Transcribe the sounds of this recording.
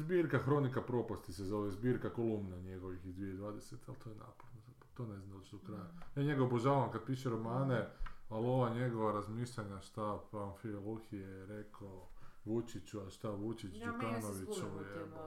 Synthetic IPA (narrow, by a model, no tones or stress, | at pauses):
zbiːɾkaxɾo̞nikapɾo̞past̪isezo̞ʋezbiːɾkako̞lˠumnaɲe̞ɡo̞ʋixizd̪ʋied̪ʋaːd̪eset̪ealt̪ojena̰ːpoɾno | t̪oːne̞znand̪alt͡ʃed̪okɾajajaːɲeɡapoʒaːamkad̪̚piːʃeɾo̞maːnealo̞ʋaɲe̞ɡo̞ʋaɾazmiːʃʎaɲaʃt̪apanfiolˠoxijeɾekaoʋut͡ʃit͡ʃuaʃt̪aʋut͡ʃit͡ʃd͡ʒukaːnoʋit͡ʃoʋojt̪e